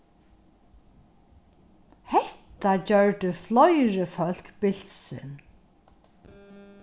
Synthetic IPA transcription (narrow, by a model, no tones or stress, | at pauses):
hɛht̪ad͡ʑœɹd̪əflɔjɹəfœl̥kbɪl̥sɪ̰n